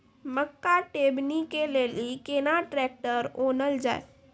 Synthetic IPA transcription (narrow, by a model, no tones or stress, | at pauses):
məkːaʈeːbnikeleːlikenaʈɾɛːk̚ʈəɾoːnəld͡ʒa̰ːḛ